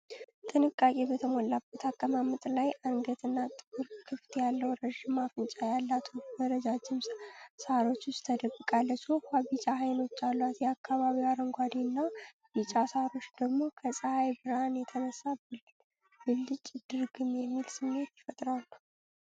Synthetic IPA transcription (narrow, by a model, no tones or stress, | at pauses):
t̪ʼɨnɨkʼːakʼebət̪ʰəmolːabət̪ʰakʼːəmamɨt̪ʼlajʔaŋɡət̪ʰɨnːat̪ʼɨkuɾkʰːɨft̪ʰjalːəwɾəʒɪmːafɨnt͡ʃʼajalːat̪ʰubəɾəd͡ʒad͡ʒɪmsaɾo̞t͡ʃːʊstt̪ʰːəd̪əkʼːɨkʼalːət͡ʃːokʰʷabit͡ʃʼaɦajno̞t͡ʃːalːwat̪jɛakːaβaβiwaɾəŋɡʷad̪inːa | bit͡ʃʼasaɾo̞t͡ʃːd̪̥əɡmo̞kʰəsʼəhajbɨɾanjɛt̪ʰənəsːabɨl | bɨlːɨt͡ʃʼːɪd̪̥ɨɾɡɨmjɛmːilsɨmːe̞t̪jɛfət̪ʼɾawnəw